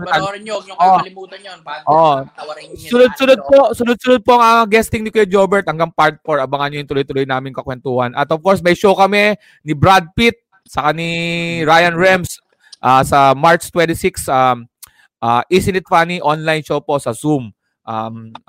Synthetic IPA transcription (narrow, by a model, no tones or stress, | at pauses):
olɪmuːt̪ɐoʔoʔ | sʊnʊd̪̚sʊnod̪̚posʊnʊd̪̚sʊnʊd̪̚poʔɐŋaɡɛst̪ɪŋnɪkojd͡ʒobɛɹt̪̚hɐŋɡɐŋpaɹt̪̚poɹʔɐbɐŋɐnɲojʊŋt̪ʊlojt̪ʊlojnaːmɪŋkɐkwɛnt̪uːhɐnʔɐt̪ovkoɹsmɐjʃowkɐmɛ | nɪbɾad̪̚pit̪̚ | sɐkaniɹajɐnɹɛms | ʔaːsɐmaɹt͡ʃt̪wɛnt̪ɪsiksa | ʔaʔisɪnɪt̪̚faniʔonlajnʃowpo̞sɐsum | ʔam